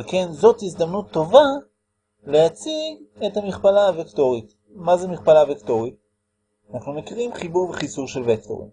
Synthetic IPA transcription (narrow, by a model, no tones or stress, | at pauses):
alke̞nzo̞tizd̪amnut̪ːo̞va | lejat͡siethamiχpalaːvekto̞ʁit | mazemiχpalavekto̞ʁit | anaχnumekiʁimχibuʁbeχisuʁʃe̞lvekto̞̰ʁḭm